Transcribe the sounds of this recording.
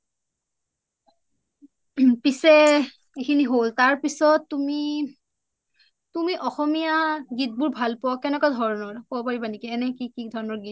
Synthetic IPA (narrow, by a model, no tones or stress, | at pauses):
pisɛ | ekʰiniɦoltaɹpisɔtːumi | tumiʔɔxɔmijaɡit̚bʊɹbʱalpɔakɛnɛkɔdʱɔɹɔnɔɹpɔpaɹibanikiɛnɛkikidʱɔɹɔnɔɹɡit